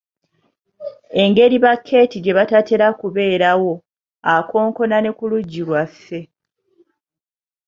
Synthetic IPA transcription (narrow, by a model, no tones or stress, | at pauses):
e̞ŋɡe̞ɾiβakʰːe̞ːtiɟe̞βatate̞ɾakuβe̞ːɾawo̞ | ako̞ːŋko̞nane̞kuluɟːilwasːe̞